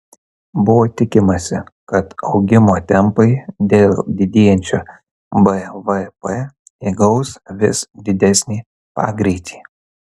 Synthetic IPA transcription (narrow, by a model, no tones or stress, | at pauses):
bʊʋoːt̪ʲɪkʲɪmɐsʲɪkɐt̪ɒʊɡʲɪmoːt̪ʲɛmpɐɪd̪ʲeːlˠd̪ʲɪd̪ʲeːjɛnʲt͡ʃʲo̰ː | bɛʋɛpɛ | iɡɐʊsʋʲɪ̰sd̪ʲɪd̪ʲɛsʲnʲiː | pɑ̰ːɡɾʲɛɪt̪ʲʰi̥ː